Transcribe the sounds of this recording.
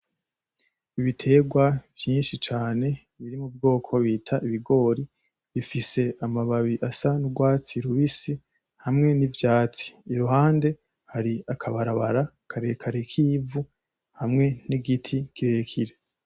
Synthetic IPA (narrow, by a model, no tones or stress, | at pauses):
iβitʰe̞ːɡwavjiːnʃit͡ʃaːne̞ | βiɾimubɡoːkʰo̞βiːtʰaʔiβiɡo̞ːɾi | βifise̞amaβaβiʔasanuɡwaːt͡siɾuβisi | hamŋe̞nivjaːt͡si̥ːɾuɦaːnde̞ | haɾiakʰaβaɾaβaɾa | kʰaɾe̞kʰaɾe̞kʰiːvu | hamŋe̞niɡitʰikʰiɾe̞kʰiɾe̞